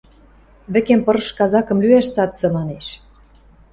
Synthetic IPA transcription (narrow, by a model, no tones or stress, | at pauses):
βɘ̆kempɤ̆ɾʃkɑzɑkɤ̆mlyæʃt͡sɑt̪sɤ̆mɑneʃ